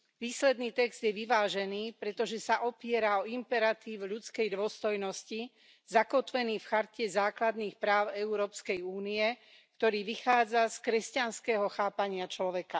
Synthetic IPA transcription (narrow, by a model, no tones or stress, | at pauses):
ʋiːslɛd̪niːt̪ɛɡz̥d̪jɛʋiʋaːʒɛniːpɾɛt̪ɔʒɛsaʔɔpɪɛɾaɔimpɛɾat̪iːwʎut͡skɛjd̪ʊɔst̪ɔjnɔsci | zakɔt̪ʋɛniːfxaɾcɛzaːklad̪niːxpɾaːʊɛuɾɔːpskɛjuːniɛ | kt̪ɔɾiːʋixaːd͡zaskɾɛscanskɛɦɔxaːpaɲɪat͡ʃlɔʋɛka